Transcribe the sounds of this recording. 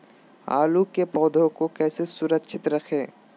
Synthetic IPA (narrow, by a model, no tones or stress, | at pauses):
a̰ːlukepɔːd̪ʱõkokɛːsesʊɾəkʃʰɪt̪ɾɐkʰeː